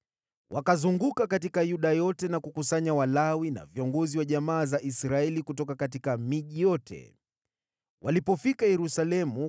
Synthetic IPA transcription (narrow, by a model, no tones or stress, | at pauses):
wʔakazuŋɡukakat̬ikajuɗajɔtɛnakukusaɲawalawina̰viɔŋɡɔziwaʄamaːzaʔisɾaɛlikutɔkakatikamiʄijɔtʰɛ̰ | wʔalipɔfikajɛɾusalɛmu